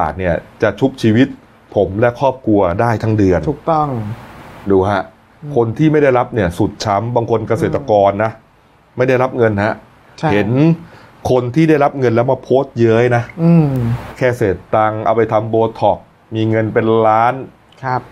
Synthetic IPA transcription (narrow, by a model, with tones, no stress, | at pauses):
a̰ː˨˩ni˥˩ɐt͡ɕa˨˩t͡ɕʰu˦˥p̚t͡ɕʰiː˧wi˦˥t̪̚ | pʰo˩˦mlɛ˦˥kʰɔː˥˩p̚kʰu˧ɐdaː˥˩jt̪ʰa˦˥ŋdɯ˧əntʰuː˨˩k̚t̪ɔ˥˩ŋ | duː˧ɦa˦˥ʔ | kʰo˧nt̪ʰiː˥˩ma˥˩jda˥˩jɾa˦˥p̚ni˥˩ɐsu˨˩t̪̚t͡ɕʰa˦˥mbaː˧ŋkʰo˧nka˧seː˨˩t̪ɾa˧kɔː˧nːa˦˥ʔ | ma˥˩jda˥˩jɾa˦˥p̚ŋɤ˧nha˦˥ʔ | t͡ɕhe˩˦nkʰo˧nt̪ʰiː˥˩da˥˩jɾa˦˥p̚ŋɤ˧nlɛ˦˥wma˧˩pʰoː˦˥st̪̚jɤ˦˥jna˦˥ʔːkʰɛː˥˩seː˨˩t̪ːa˧ŋʔa̰˧wpa˧jt̪ʰa˧mboː˧t̪ʰɔ˨˩k̚ | miː˧ŋɤ˧npe˧nɾaː˦˥n | kʰp̚